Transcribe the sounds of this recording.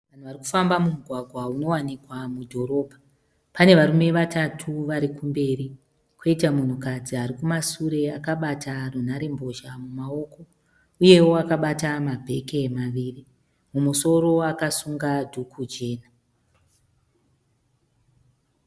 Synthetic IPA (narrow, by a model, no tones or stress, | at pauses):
ʋan̤uʋariku̥fambamumuɡʱwaɡʱwauno̞wanikwamudʱo̞ɾo̞ːbʱa | pane̞ʋaɾume̞ʋatatʰuʋaɾikumbe̞ri | kʰoitamun̤ukad͡ziaɾikumasuɾe̞akaɓatʰarun̤aɾe̞mbo̞ʒamumao̞ko̞ | uje̞woakaɓatamabʱe̞ke̞maʋiːri | mumuso̞ro̞akasuŋɡadʱukʰud͡ʒe̞ːna